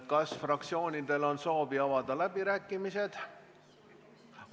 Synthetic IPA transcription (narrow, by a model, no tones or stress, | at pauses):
kɑsfrɑk̚t̪sio̞ːnʲid̪e̞lo̞nso̞ːviɑvɑd̪̥ɑlæbiɾæːkːˑimise̞d̪̥